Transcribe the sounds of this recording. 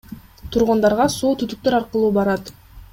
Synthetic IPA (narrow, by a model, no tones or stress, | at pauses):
t̪ʰuɾʁɑnd̪ɑɾʁɑsoːt̪ʰyt̪y̥k̚t̪øɾɑɾqɯlˠuːbɑɾɑt̪